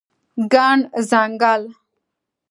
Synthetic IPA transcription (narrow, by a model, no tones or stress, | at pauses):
ɡaːɳzaːŋɡaːl